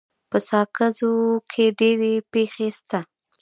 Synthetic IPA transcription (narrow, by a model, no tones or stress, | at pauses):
pəsɑkazokʰeɖeɾepexest̪a